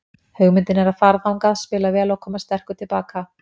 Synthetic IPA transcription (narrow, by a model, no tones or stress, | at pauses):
hœɣmɪnt̪ɪnɛɾaðfaɾðawŋkaðspɪːlavɛːlakʰɔːmast̪ɛr̥kʏt̪ʰɪlpaːka